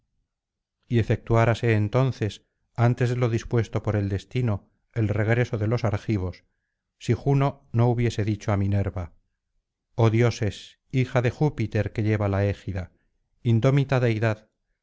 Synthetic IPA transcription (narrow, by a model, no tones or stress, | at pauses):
ie̞fe̞k̚t̪uaɾase̞ːnt̪o̞nθe̞s | ant̪e̞zðelo̞ðispwe̞st̪o̞po̞ɾe̞ld̪e̞st̪ino̞ | e̞lre̞ɣ̞ɾe̞so̞ðe̞lo̞saɾxiβ̞o̞sː | ixuno̞ | no̞uβ̞je̞se̞ðit͡ʃoamine̞ɾβa | o̞ðjo̞se̞s | ixaðe̞xupit̪e̞ɾke̞ʎe̞βalae̞xiða | ind̪o̞mit̪aðeiðað